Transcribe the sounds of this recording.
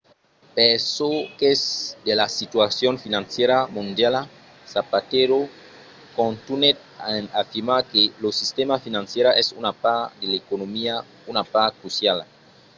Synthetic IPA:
pesokesd̪elasit̪wasjonfinãnsjeɾamũnd̪jala | sapat̪eɾo | kõnt̪unet̪̚nafiɾmakelosist̪emafinãnsjeɾaʔesunapad̪elekonomia | unapakɾusjal

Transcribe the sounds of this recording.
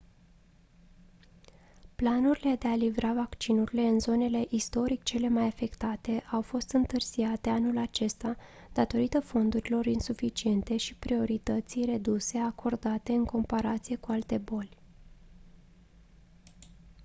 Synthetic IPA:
planuɾile̞d̪e̞alivɾavakt͡ʃinuɾile̞ɨnzo̞ne̞le̞ʔist̪o̞ɾik̚t͡ʃe̞le̞majafe̞kt̪at̪e̞ʔawfo̞st̪ɨnt̪ɨrz̥iat̪e̞anulat͡ʃe̞st̪a | d̪̥at̪o̞ɾit̪əfo̞nd̪uɾilo̞ɾinsufit͡ʃie̞nt̪e̞ʃipɾio̞ɾit̪ət̪sijre̞d̪use̞akʰo̞rd̪at̪e̞ɨŋko̞mpaɾat̪sije̞kualt̪e̞bo̞lʲ

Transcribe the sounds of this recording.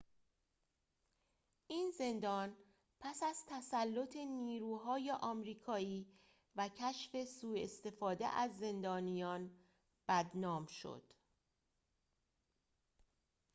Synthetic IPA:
ʔiːnze̞nd̪ɒːn | pʰæsæz̥t̪ʰæsælːo̞t̪ʰe̞niːɾuːɦɒːjeʔɒːmɾiːkʰɒːiː | væcʰæʃfe̞suːe̞st̪e̞fɒːd̪e̞̰ʔæzːe̞nd̪ɒːnijɒːn | b̥æd̪nɒːmʃo̰d̪̥

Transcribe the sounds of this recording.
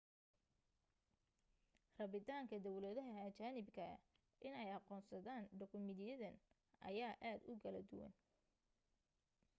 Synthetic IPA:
rɐβɪt̪aːŋkʰɐd̪ɐwlɛðɐɦɐɐt͡ʃaːnɪbkʰɐ̰ | ʔɪnɛjɑqɔːnsɐðaːnɖɐkʊmɪðijɐðɐn | ʔɐ̰jaːʔaːd̪ʊkʰɐlɐd̪ʊ̰wɐ̰n

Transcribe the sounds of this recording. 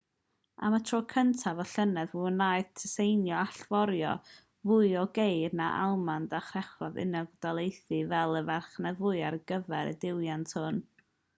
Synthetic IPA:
a̰matʰrɔːkʰəntʰavɔɬənɛðvunajðtʰəsejnjɔaɬv̥ɔɾjɔ̰ | vʊɨɔɡejdnaʔa̰lˠmandaχrɛχɔðɪ̰naɡdalˠejθɨvɛlˠəvarχnavʊɨarɡ̥əvɛɾə̰dɪwjantʰhʊn

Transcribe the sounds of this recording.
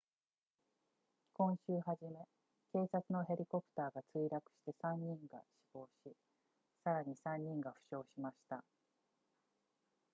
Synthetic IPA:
kõ̞ɰ̃ɕɨːɦaʑime̞ | ke̞ːsat͡sɨno̞ɦe̞ɾʲiko̞pɯ̟̥t̪aːɡat͡sɨiɾakɯ̟̥ɕi̥t̪e̞sãɲ̟ːĩŋɡa̰ɕi̥bo̞ːɕi | saɾaɲ̟isãɲ̟ːĩŋɡaɸɯ̟̥ɕo̞ːɕimaɕi̥t̪a

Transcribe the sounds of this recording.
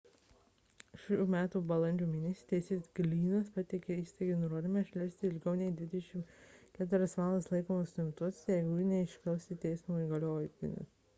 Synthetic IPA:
ʃuːmʲæːt̪uːbɐlˠɐnʲd͡ʒʲuːmʲiːnʲɛsʲiːt̪ʲɛsʲeːɡlʲiːnɐspɐt̪ʲɪkʲeiːst̪ɐɪɡʲeːnʊɾoːd̪ʲɪmɐʃʲlʲɛˑɾsʲt̪ʲɪɪlʲɡɐʊnʲɛjd̪ʲʋʲɪd̪ʲɛʃʲɪmkʲæːt̪ʊɪɾʲɐsʋɑːlˠɐslˠɐɪkoːmɐsɪmʲt̪uɔsʲjɛɪɡunʲɛɪʃʲkʲɛlst̪ʲit̪ʲɛɪsmuiɡɐlʲoːjt̪ʲɪ̰nʲɪ̰s

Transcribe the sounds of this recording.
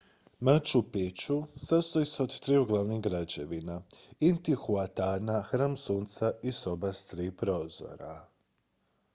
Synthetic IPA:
mat͡ɕupet͡ɕusast̪ojiseod̪t̪ɾiuɡlˠaʋniɣɡɾad͡ʑeʋinaint̪ixuat̪aːnaxɾaːmsuːnt̪saiso̞bast̪ɾiːpɾo̞ːzo̰ɾa

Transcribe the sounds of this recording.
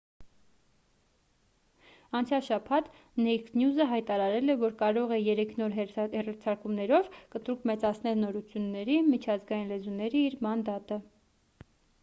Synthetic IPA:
ɑnt͡sʰjɑlʃɑpʰɑt̪ | nɛjksnjuzəɦɑjt̪ɑɾɑɾɛlɛvɔɾkɑɾɔʁɛjɛɾɛkʰnɔɾhɛrɑɾt͡sʰɑɾkumnɛɾɔvkət̪uɾkmɛt͡sɑt͡sʰnɛlnɔɾut͡sʰjunːɛɾimit͡ʃʰɑzɡɑjinlɛzunɛɾiːɾmɑnd̪ɑt̪ə

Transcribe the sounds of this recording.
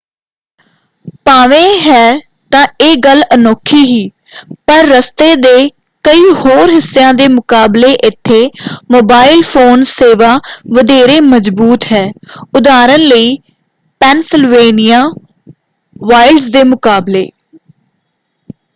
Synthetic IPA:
paːʋẽːɦɛː | t̪ãːeːɡələnoːkʰːiːɦiːpəɾːəst̪eːd̪eː | kəiːhoːɾɦɪsːejãːd̪eːmʊkaːbleːʔɪt̪ʰːeːmoːbaːɪlpʰoːnseːʋaːʋəd̪eːɾeːməd͡ʒbuːt̪ɦɛːʊd̪aːɾənləiː | pɛːnsɪlʋeːnɪjaː | ʋaːɪlɖzd̪eːmʊkaːblḛː

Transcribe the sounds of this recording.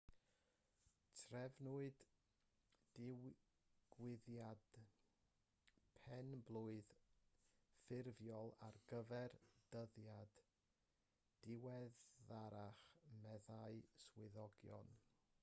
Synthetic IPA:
tʰrɛvnʊɨd | ɪw | ɡ̥wɪðjad̥ | pʰɛnblˠʊɨð | fɪrvjɔlˠa̰rɡəvɛrd̥əðjad̥ | d̥ɪwɛðaɾaχmɛðaɨswɪðɔɡjɔ̰n

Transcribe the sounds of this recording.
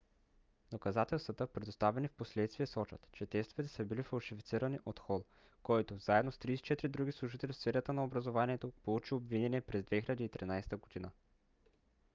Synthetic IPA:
d̪̥okɐzat̪ɛlˠst̪vɐət̪əpɾɛd̪ost̪avɛnifposlɛt̪st̪viɛsɔt͡ʃə̰t̪t͡ʃɛt̪ɛst̪ovɛt̪ɛ̥səbilifɐlˠʃifit̪siɾəniʔot̪xɔlˠ | kɔjt̪ozaɛd̪nost̪ɾiːsɛ̥t͡ʃɛt̪ɾid̪ɾuɡʲislˠuʒit̪ɛlʲifsfɛɾət̪ənɐobɾɐzovaniɛt̪opolˠut͡ʃiobvinɛniɛpɾɛzd̪vɛxilʲʎəd̪iːt̪ɾinajst̪əɡod̪inə

